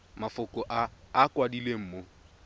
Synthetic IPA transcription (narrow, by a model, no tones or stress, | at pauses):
mafʊkɔʔaːkwadilem̩mo